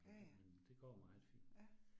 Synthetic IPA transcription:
mend̥e̝ɡ̥ɒ̰ːmɑ̈ːfḭ̥

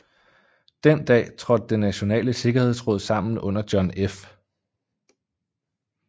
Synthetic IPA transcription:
d̥end̥ɛ̰ːt͡sʰʁɒ̽d̥̚ːenːæɕo̝nɛ̰ːləse̝ɡ̥ɐhe̝ð̞̰ˠsʁoð̞̰ˠsɑ̈m̰n̩ɔ̽n̰ɐd̥jɒ̽nef

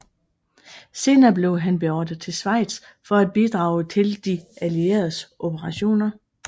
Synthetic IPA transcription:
se̝ːnɐːb̥le̝ʊɦænb̥e̝ɒːd̥əð̩ˠt͡sʰe̝lsʋɑ̈ɪ̰d̥s | fɒ̽æd̥̚b̥id̥ʁɑ̈ːʊət͡sʰe̝ld̥iælie̝̰ɐð̩ˠsʔo̝b̥əʁɑ̈ɕo̝̰ːnɐ

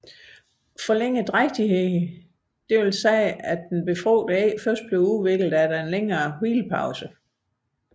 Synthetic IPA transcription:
fɒ̽leŋ̰əd̥ʁaɡ̥̚d̥iɦeð | d̥e̝ʋelsɛːædenb̥e̝fʁɔ̰ːd̥fɶɐsd̥̚b̥le̝ʊuʋe̝ɡ̥ləðˠæɾɑe̝nleŋɐːhḭːlpʰɑ̈ʊsə

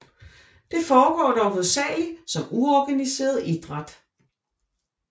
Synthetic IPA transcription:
d̥e̝fɒːɡ̥ɒ̰ːd̥ɒʊʋoðˠsɛ̰ːlsɒ̽muɒɡ̥ænise̝̰ːɐð̞̩ˠid̥ʁɑd̥

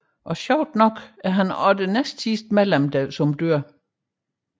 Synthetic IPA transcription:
ʔɒ̽ɕɑʊ̰d̥nɒ̽ɡ̥æɐɦænɒd̥enesd̥sisd̥melemd̥ɛðsɒ̽md̥øɐ̰

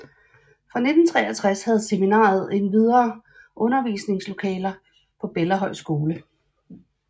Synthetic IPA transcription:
fʁɑ̈ne̝d̥n̩t͡sʰʁɛ̰ːɐt͡sʰʁashæð̞̩ˠseminɑ̰̈ːð̞̩ˠe̝nʋið̞ˠɐː | ʔɔ̽nɐʋḭːsne̝ŋslo̝kʰɛ̰ːlɐ | pʰɒ̽b̥elɐɦɒ̽ɪ̰sɡ̥o̝ːlə

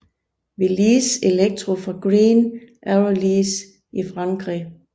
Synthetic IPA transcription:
ʋiliːse̝leɡ̥̚d̥ʰʁofʁɑ̈ɡ̥ʁiːnʔæoliːs | ifʁɑ̈ŋɡ̥ʁi

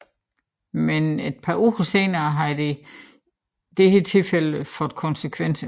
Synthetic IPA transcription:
mened̥̚pʰɑ̈uːʁɐse̝ːnɐːɦɑ̈id̥e̝ | d̥ehət͡sʰe̝lfel̰əfɔ̽d̥ˠkʰɒ̽nsəkʰʋen̰sə

